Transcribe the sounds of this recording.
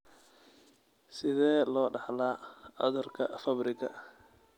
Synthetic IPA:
sɪðɛːlɔːɖɑħlaːɐ̰ðʊrkʰɐ̰fɐbrɪɣɐ̰

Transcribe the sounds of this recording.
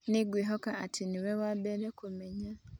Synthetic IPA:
niɡwiːɦokaːtʰiniwewabeɾekumeɲa

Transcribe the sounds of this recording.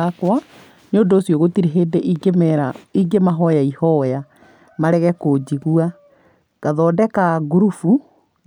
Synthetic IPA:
akwa | nodoːsjɔɣotiɾeɦeːdeʔiɡemɛɾaiɡemaɦɔjaihɔja | maɾɛɣɛkod͡ʑiɣua | ɣ̥aðɔːdɛkaɡuɾufu

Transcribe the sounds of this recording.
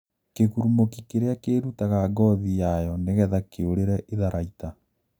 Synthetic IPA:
keɣuɾumokikeɾeakeːɾutaɣaɡɔðijajɔneɣɛðakeoɾeɾɛʔeðaɾaita

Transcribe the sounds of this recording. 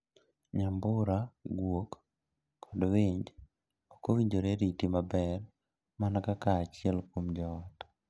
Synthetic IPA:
ɲamboɾaɡwokː | ɔdβeɲd͡ʒi | okoβiɲd͡ʒoɾeɾitimabɛɾ | manakakat͡ʃielkumd͡ʒɔtḁ

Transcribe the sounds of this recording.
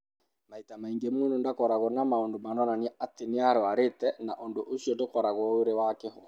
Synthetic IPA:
maitamaiŋɡemunondakɔɾaɣɔnamaondomanɔnaniɛatineaɾɔaɾetɛna̰ʔondoʔosiɔtokɔɾaɣɔeɾewakeɦɔ̰

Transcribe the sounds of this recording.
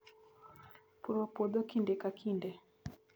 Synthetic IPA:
puɾɔpɔɗ̪ɔkindɛkakʰindɛ

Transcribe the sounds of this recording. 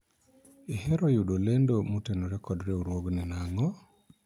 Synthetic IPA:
ihɛɾɔjuɗolendomutenoɾɛkɔdɾeuɾwoɡninaŋɔ

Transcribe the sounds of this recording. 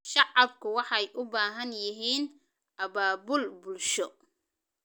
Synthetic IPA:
ʃɑʕɑbkʰʊwɑħɑjʔʊbaːɦɐnjɪɦiːn | ʔɐbaːbʊlbʊlʃɔ

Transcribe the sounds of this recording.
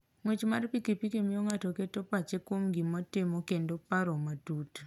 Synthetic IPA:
ŋwet͡ʃmarpikipikemioŋatɔketopat͡ʃekwomɡimatɪmokendopaɾɔmatut

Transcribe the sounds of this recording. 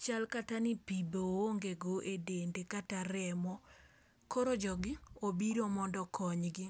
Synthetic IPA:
t͡ʃalkatanɪpibooŋɡeɡoʔedendekataɾɛmɔ | koɾod͡ʒɔɡɪobiɾomɔndɔkʰɔɲɡɪ

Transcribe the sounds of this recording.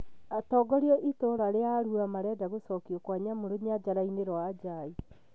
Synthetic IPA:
atɔːɡɔɾiɔʔitoɾaɾeaɾuamaɾɛdaɣosɔkiɔkwaɲamoɾoɲiad͡ʒaɾaineɾɔad͡ʒai

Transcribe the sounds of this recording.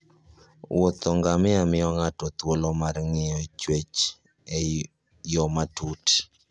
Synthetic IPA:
wʔot̪ɔŋɡamɪamɪɔŋatɔt̪wolɔmarŋɪɔt͡ʃwet͡ʃ | ɛ | jɔmatuti̥

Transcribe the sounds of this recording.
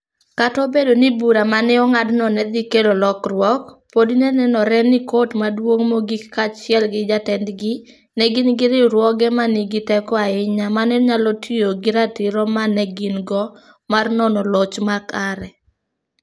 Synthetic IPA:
katɔbedonibuɾamanɛɔŋadnɔnɛd̪ikelolɔkrwɔkpodinɛnɛnɔɾɛnɪkotmadwoŋmoɡikkat͡ʃɪɛlɡɪd͡ʒatɛndɡɪ | nɛɡɪnɡɪɾɪɾwɔɡɛmaniɡɪtɛkɔaɪɲamanɛɲalɔtʰijoɡɪɾatɪɾɔmanɛɡɪnɡɔ | marnɔnɔlɔt͡ʃmakaɾɛ

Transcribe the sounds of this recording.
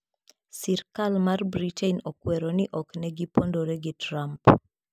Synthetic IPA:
sirkalmarbɾitɛnokwɛɾonɪʔɔknɛɡipondoɾeɡitɾamp

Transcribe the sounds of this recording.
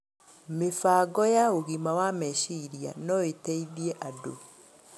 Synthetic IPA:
mefaːɡɔjaoɣimawamɛʃiɾia̰nɔeteiðiɛʔado

